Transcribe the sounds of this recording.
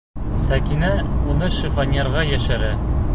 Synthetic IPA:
sækinæunɤʃifanʲeɾʁɑjæʃɘɾæ

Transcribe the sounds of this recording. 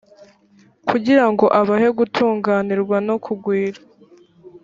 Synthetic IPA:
kʰuɟiɾaŋɡo̞ʔaβahe̞ɡutʰuːŋɡaːniɾɡwano̞kʰuɡwiːɾa

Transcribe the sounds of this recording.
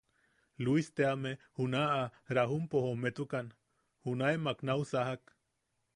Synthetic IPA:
luist̪eamehunaaɾaɦumpohomet̪ukan | hunaemaknausaɦak

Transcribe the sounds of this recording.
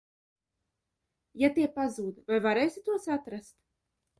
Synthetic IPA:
jat̪iɛpazuːd̪vajvaɾɛjsʲit̪uɔsat̪ɾast̪

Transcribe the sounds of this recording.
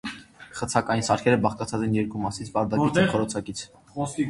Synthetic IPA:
χət͡sʰɑkɑjinsɑɾkʰɛɾəbɑχt̪ɑt͡sʰɑt͡sɛnjɛɾkumɑsit͡sʰpɑɾd̪ɑχʰɔɾɔt͡sʰɑkit͡sʰ

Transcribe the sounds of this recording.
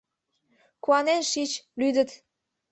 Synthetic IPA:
kuɑnenʃit͡ɕlyd̪ə̆t̪

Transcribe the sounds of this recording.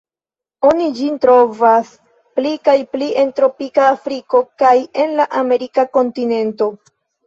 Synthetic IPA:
o̞nid͡ʒintɾo̞vas | plikajplie̞ntɾo̞pikaːfɾiko̞kaje̞nlaʔame̞ɾikako̞ntine̞nto̞

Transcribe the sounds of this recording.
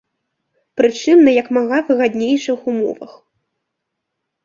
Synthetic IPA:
pɾɨt͡ʂɨmnɐjɐkmaɣavɨɣad̪ʲnʲejʂɨxumɔ̰vɐ̰x

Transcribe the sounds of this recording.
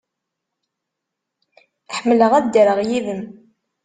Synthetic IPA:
ħmːələʁæd̪əɾəʁjiðəm

